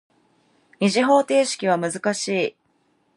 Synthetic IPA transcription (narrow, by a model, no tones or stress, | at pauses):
ɲʲiʑiɦo̞ːt̪e̞ːɕi̥kʲiβ̞amɯ̟zɨkaɕiː